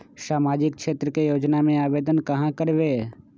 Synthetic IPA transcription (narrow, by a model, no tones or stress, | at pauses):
saːmaːd͡ʒɪk̚ʃeːt̪ɾəkejoːd͡ʒnamẽaːʋeːd̪ənkɐɦãkəɾʋe